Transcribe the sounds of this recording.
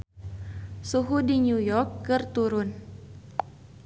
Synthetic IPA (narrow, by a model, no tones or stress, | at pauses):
suɦudiɲujɔrkːɨrt̪uɾʊn